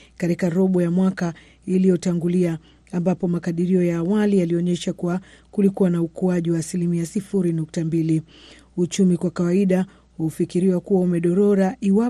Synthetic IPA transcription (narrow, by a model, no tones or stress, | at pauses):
kaɾikaɾɔɓɔjamwaka | ilijɔtaŋɡuliaː | mbapɔmakaɗiɾiɔjaːwalijaliɔɲɛʃakuakulikuwanaukuaʄiwaːsilimiasifuɾinuk̚tambili | ut͡ʃumikwakawaiɗa | hufikiɾiwakuwaumɛɗɔɾɔɾaʔiwa